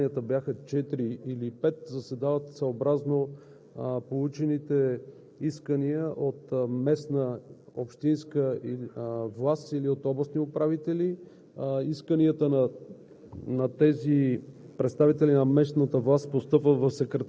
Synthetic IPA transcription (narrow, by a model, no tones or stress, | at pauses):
iət̪əbjaxət͡ʃɛt̪ɾiilipɛt̪zɐsɛd̪avət̪səobɾazno | polˠut͡ʃɛnit̪ɛ | iskəniəʔot̪mɛsnəopʃt̪inskə | vlˠasiliot̪ɔblˠəsniopɾavit̪ɛli | iskəniət̪ən | nɐt̪ɛzi | pɾɛt̪st̪avit̪ɛlinɐmɛsnət̪əvlˠaspost̪ɤpvəvɐfsɛkɾɛt̪